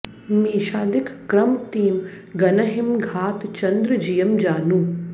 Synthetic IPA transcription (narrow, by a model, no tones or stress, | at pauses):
miːʃaːd̪ikʰkɾɐmt̪iːm | ɡɐnɐɦimɡʱaːt̪t͡ʃɐnd̪ɾɐd͡ʒijɐmd͡ʒaːnu